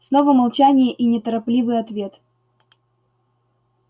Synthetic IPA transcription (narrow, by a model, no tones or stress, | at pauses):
snovəmɐlˠt͡ɕænʲɪjəʔinʲɪt̪əɾɐplʲivɨjɐt̪vʲe̞t̪